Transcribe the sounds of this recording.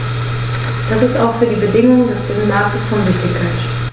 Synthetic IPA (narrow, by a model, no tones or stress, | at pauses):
d̥asɪstaʊxfyːɐdiːbədɪŋʊŋədɛsd̥ɪənmaɐktəsfɔnzɪçd̥ɪkʰant